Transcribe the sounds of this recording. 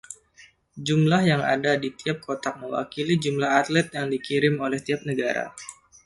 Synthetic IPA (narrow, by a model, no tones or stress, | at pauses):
d͡ʒumlahjaŋa̰dadit̪iap̚kʰot̪ak̚məwa̰kilid͡ʒumlaɦat̪lɛt̪̚jaŋdikiɾɪmolɛht̪iap̚nəɡaɾa̰